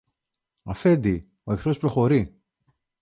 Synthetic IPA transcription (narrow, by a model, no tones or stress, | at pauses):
ɐfe̞nd̪i | o̞e̞kθɾo̞spɾo̞xo̞ɾi